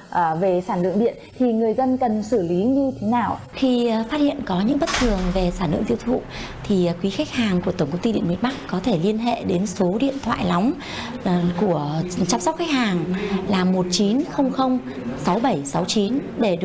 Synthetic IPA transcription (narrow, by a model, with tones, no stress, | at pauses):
ʔve˨˩saː˧˩nlɨ̰˧˨əŋɗḭ˧˨ənt̪ʰi˨˩ŋɨ˨˩əjzə˧nkə˨˩nsɨ˧˩li˨˦ɲɨ˧t̪ʰe˨˦naː˨˩w | xi˧faː˦˥t̚hḭ˧˨ənkɔ˨˦ɲɨ̰˧˥ŋɓə˦˥t̚t̪ʰɨ˨˩əŋve˨˩saː˧˩nlɨ̰˧˨əŋt̪i˧wt̪ʰṵ˧˨ | t̪ʰi˨˩˨kwi˨˦xa˦˥jk̟̚haː˨˩ŋku˧˩ət̪ə˧˩ŋ͡mkə˧wŋ͡mt̪i˧ḭ˧˨ənmḭ˨˧˨n̚ɓa˦˥k̚kɔ˨˦t̪ʰe˧˩li˧ənɦḛ˧˨ɗe˨˦nso˨˦ɗḭ˧˨ənt̪ʰwa̰ː˧˨jla˨˦wŋ͡m | ku˧˩ət͡ɕa˧msk͡p̚xa˦˥k̚haː˨˩ŋlaː˨˩mo˨˩t̚t͡ɕi˨˦nxə˧wŋ͡mxə˧wŋ͡m | sa˨˦wɓə˧˩jsa˨˦wt͡ɕi˨˦nɗe˧˩ɗ